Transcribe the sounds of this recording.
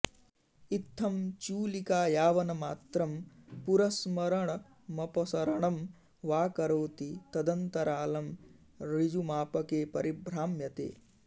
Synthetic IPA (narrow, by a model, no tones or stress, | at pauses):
it̪ʰːɐmt͡ʃuːlikaːjaːʋɐnɐmaːt̪ɾɐmpuɾɐsmɐɾɐɳɐ | mɐpɐsɐɾɐɳɐm | ʋaːkɐɾoːt̪it̪ɐd̪ɐnt̪ɐɾaːlɐm | ɾid͡ʒumaːpɐkeːpɐɾibɾaːmjɐt̪ḛː